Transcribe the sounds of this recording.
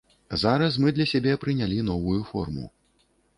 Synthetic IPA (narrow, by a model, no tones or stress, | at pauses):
zaɾɐs̬mɨd̪lʲɐsʲabʲɛpɾɨnʲalʲin̪ɔvujufɔ̰rmṵ